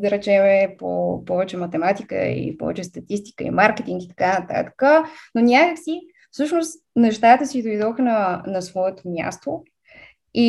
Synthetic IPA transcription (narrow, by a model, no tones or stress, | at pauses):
d̪əɾɛt͡ʃɛmɛpo̰pɔvɛt͡ʃɛmɐt̪ɛmat̪ikə̰ḭpɔ̰vɛ̰t͡ʃɛst̪ɐt̪ist̪i̥kə̰ḭmaɾkɛt̪iŋɡkit̪ɐ̥kanət̪a̰t̪ə̥kənonʲakəksi | fsɤʃnost̪ | nɛʃt̪at̪əsid̪ojd̪ɔxnənɐsvɔɛt̪omja̰st̪o | i